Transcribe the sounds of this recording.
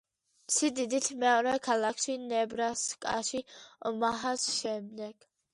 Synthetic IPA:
mt̪sʰid̪id̪it̪ʰmɛɔɾɛkʰalakʰʃinɛbɾaskʼa̰ʃiɔmaɦasʃɛmd̪ɛɡ̥

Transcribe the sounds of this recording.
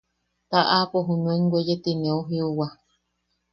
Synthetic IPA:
t̪aʔapoɦunũeŋɡʷejet̪inẽauɦiuwa

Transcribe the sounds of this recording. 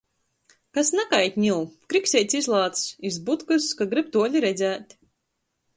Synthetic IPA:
kasnakajt̪ʲɲʲilˠkɾiksʲɛt̪sʲizlˠɑːt̪ssizbut̪kɨskaɡɾɨb̚t̪uɔlʲiɾɛd̪zæːt̪ʲ

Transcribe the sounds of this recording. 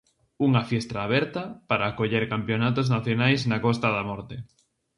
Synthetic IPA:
uŋɐfjɛst̪aːβ̞ɛɾt̪ɐpaɾaːkoʎeɾkampjonat̪oznaθjonajznakɔs̬t̪ɐðamɔɾt̪e

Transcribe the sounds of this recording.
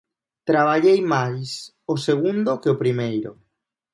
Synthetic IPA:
t̪ɾaβ̞aʎejmajs | oseɣũnd̪okeopɾimejɾo̰

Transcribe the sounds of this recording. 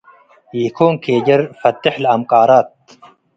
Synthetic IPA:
jikʰoːnkʰeːd͡ʒɐɾfɐt̪ːɪħlɐmqɑːɾaːt̪̚

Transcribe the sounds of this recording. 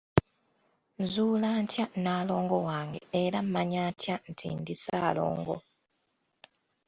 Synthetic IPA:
zuːlaːɲtjanaːlo̞ːŋɡo̞waːŋɡḛeɾam̩maɲaːɲcʰjan̩tʰḭndisaːlo̰ːŋɡo̞̰

